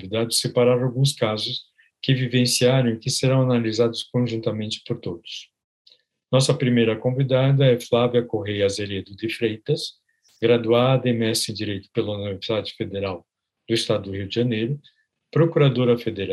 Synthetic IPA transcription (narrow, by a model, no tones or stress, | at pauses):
vid̪ad̪ʊɪsepaɾaɾawɡũskazʊs | kɪvivẽsiaɾɐ̃w̃ikɪseɾɐ̃w̃analizad̪ʊskõʒũnt̪ɐmẽnt͡ʃɪ̥poɾt̪od̪ʊ̥s | nɔsɐpɾimejɾɐkõvid̪ad̪ɐɛflaviɐkoɦejɐzeɾed̪ʊd̪ɪfɾejt̪ɐs | ɡɾad̪uad̪ɐẽj̃mɛsẽdd͡ʒiɾejt̪ʊ̥pelɐuniveɾsid̪ad͡ʒɪfed̪eɾaw | d̪̥ʊɪst̪ad̪ʊd̪ʊhiwd͡ʒɪʒɐnejɾʊ | pɾokuɾad̪oɾɐfed̪eɾa